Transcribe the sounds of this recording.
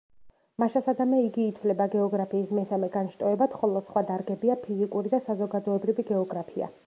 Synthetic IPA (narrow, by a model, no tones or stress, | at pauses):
maʃasad̪amɛiɡiːt̪ʰvlɛbaɡɛɔɡɾapʰiːsmɛsamɛɡanʃt̪ʼɔɛbat̪χɔlˠɔsχwad̪aɾɡɛbiapʰizikʼuɾid̪asazɔɡad̪ɔɛbɾiviɡɛɔɡɾapʰia̰